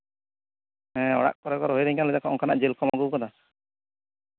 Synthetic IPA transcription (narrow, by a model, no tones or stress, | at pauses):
ɛ̃ɔ̰ɽa̰ʔ̚kɔɾɔkɔɾɔɦojɾɛŋkalɔt̪akɔʔɔŋkanaʔd͡ʒelkɔmaɡukɔd̪a